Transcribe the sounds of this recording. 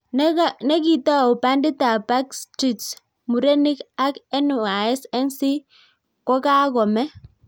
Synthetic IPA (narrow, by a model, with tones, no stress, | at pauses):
n˦ane˦ki˨ta˦˨u˨pa˦ndi˦ta˨pa˦kstɾi˨ts | mu˨ɾe˦ni˦ka˦kɛ˦nu˨a˨ɛ˦sɛ˦nsi˦ | kɔ˦ka˦kɔ˨mɛ˦